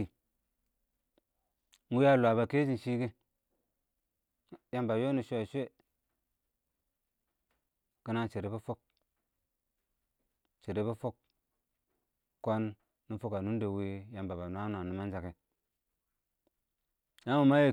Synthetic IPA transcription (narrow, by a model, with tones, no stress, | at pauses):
i˨ | ŋ˦u˦ja˦lwa˨ba˨ke˦d͡ʒi˦˨ʃi˦ɡe˦ | ja˦mba˨jo˦ni˨ʃʷe˦a˨ʃʷe˦ | ki˦na˦t͡ʃe˨ɾe˨˦be˦fo˦k̚ | t͡ʃe˨ɾe˨be˦fo˦k̚ | o˦nː | i˦fo˦ka˨nu˦n˦de˨wi˦ja˨mba˨ba˨nu˦a˦n˨a˨ni˨ma˦nd͡ʒa˨ke˨ | ja˦u˨ma˦je˨